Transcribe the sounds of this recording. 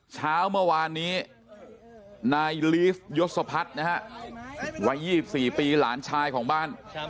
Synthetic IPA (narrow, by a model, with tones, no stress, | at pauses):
t͡ɕʰaː˦˥wmɯ˥˩ɐwaː˧nːiː˦˥ | naː˧jliː˦˥fjo˦˥t̪̚sa˧pʰa˦˥t̪̚na˦˥ɦa˦˥ʔ | wa˦˥jːiː˥˩si˨˩p̚siː˨˩piː˧la̰ː˩˦nt͡ɕʰaː˧jkʰɔː˩˦ŋbaː˥˩n